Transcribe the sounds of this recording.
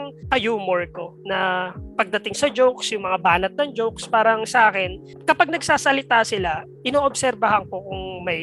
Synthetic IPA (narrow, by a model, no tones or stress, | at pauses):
ŋkɐjuːmoɹkonɐpɐɡ̚d̪ɐt̪ɪŋsɐd͡ʒowksjʊŋmɐŋabaːnɐt̪̚nɐŋd͡ʒowkspaːɾɐŋsɐʔaːkɛn | kɐpaɡ̚nɐɡ̚saːsɐlɪt̪asɪla | ʔɪnoːʔobsɛɾbɐɦɐŋkokʊŋmɐj